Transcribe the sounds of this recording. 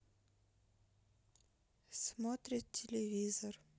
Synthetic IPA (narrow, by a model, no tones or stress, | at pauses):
smot̪ɾʲɪt̪ʲʰːɪlʲɪvʲizər